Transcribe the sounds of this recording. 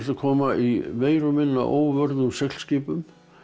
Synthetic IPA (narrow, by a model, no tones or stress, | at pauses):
t̪akʰɔːmaʔimeːjɾʏmɪnːa̰ʔo̰ːwvœɾðʏusɛkl̥scɪːpʏm